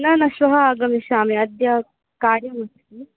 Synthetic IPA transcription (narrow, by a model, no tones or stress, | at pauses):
naːnɐʃʋɐɦɐaːɡɐmiʃaːmeɐd̪jɐ | kaːɾjɐmɐt̪i